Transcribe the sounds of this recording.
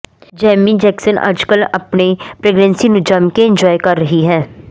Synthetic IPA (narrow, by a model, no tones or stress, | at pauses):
d͡ʒɛːmid͡ʒɛːksənɐ̰d͡ʒkəlɐ̰pnepɾeːɡnɛ̃ːnsinʊd͡ʒaːmkeɪ̃ɲd͡ʒɔːjkɐɾːəɦiɦɛː